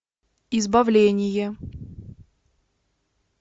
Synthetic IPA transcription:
ɪzbɐvlʲenʲɪjə

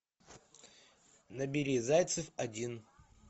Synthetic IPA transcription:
nɐbʲɪɾʲizajt̪sɨfɐdʲin

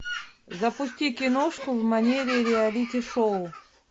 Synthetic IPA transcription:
zɐpʊsʲtʲikʲɪnoʂkʊvmɐnʲeɾʲɪɾʲɪalʲitʲɪʂoʊ

